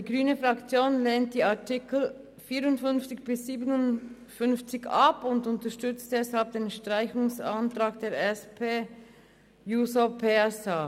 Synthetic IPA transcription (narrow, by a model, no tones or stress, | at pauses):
d̥iːɡʁyːnəfʁakt͡sjoːnleːnt̚d̥iːaɐtɪkl̩ | fiːɾʊntfʏnft͡sɪçb̥ɪsːiːbənʊn | fʏnft͡sɪçapʊndʊntəʃtʏt͡st̚d̥ɛshalp̚d̥eːnʃtʁ̥aɪçʊŋsantʁaːkd̥eːɾɛspʰeː | juːsopʰɛsa